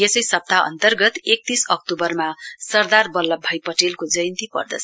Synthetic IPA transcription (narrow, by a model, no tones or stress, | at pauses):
jesʌjsʌp̚t̪aʌ̰nt̪ʌrɡʌt̪ek̚t̪isʌk̚ʈubʌrmasʌrd̪arbʌlːʌbʱːʌjpʌʈelkod͡zʌjʌnt̪ipʌ̰rd̪ʌt͡sʰ